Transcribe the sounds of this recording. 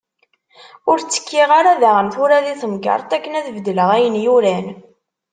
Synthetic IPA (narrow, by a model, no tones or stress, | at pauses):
ʊɾt͡sːə̥kʰːiʁaɾaðaʁəmθʊɾæðiθəmɡɑ̰ɾˤt̪ˤækːənæðvd̪ːləʁæjənjuɾæn